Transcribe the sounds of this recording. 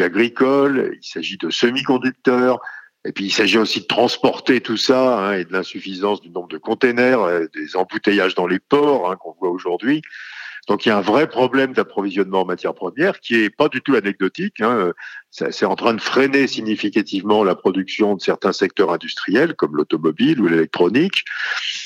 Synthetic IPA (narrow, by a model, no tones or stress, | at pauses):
aɡʁikɔl̰ḭlsaʒid̪əsəmikɔ̃d̪yk̚t̪œːʁ | epɥiːlsaʒiosid̪ət̪χɑ̃spɔʁt̪et̪usaɛ̃ed̪əlɛ̃syfizɑ̃sd̪ynɔ̃bʁd̪əkɔ̃t̪enɛʁed̪ezɑ̃but̪ejaʒd̪ɑ̃lepɔʁɛ̃kɔ̃vwaoʒuʁd̪ɥid̪̥ɔ̃kiljaɛ̃vʁɛpχɔblɛmd̪apχɔvizjɔnmɑ̃ɑ̃mat̪jɛʁpχəmjɛʁkʲiɛpad̪yt̪uanɛɡ̚d̪ɔt̪ikɛ̃øsɛ̰sɛt̪ɑ̃t̪χɛ̃d̪əfχenesiɲifikat̪ivmɑ̃lapχɔd̪yksjɔ̃d̪əsɛʁt̪ɛ̃sɛk̚t̪œʁɛ̃d̪yst̪χijɛlkɔmlot̪ɔmɔbilulelɛk̚t̪χɔnik